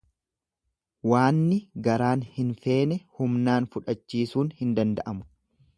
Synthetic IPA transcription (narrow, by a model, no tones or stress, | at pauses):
waːnːɪɡɐɾaːnhɪnfe̞ːnɛhʊmnaːnfʊᶑɐt͡ʃːiːsuːnhɪnd̪ɐnd̪ɐʔɐmʊ̥